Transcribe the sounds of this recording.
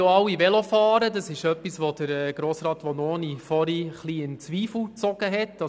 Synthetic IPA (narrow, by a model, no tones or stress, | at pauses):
oɑwːiʋɛlofɑːɾədɑsɪʃœpːisʋod̥əɾɛːɡ̥ɾoːsɾɑːt̪ʋonɔːnifɔɾiχliɪnt͡sʋiːfl̩t͡sɔɡ̥əɦɛtːɑ